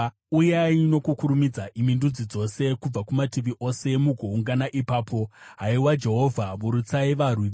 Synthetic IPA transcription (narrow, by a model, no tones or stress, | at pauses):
ujeaino̞kukuɾumid͡zaʔimindud͡zid͡zo̞se̞kub͡vakumatiʋiʔo̞se̞muɡʱo̞uŋɡanaʔipaːpʰo̞ɦaiwad͡ʒe̞ɦo̞vʱamuɾut͡saiʋarwiʋe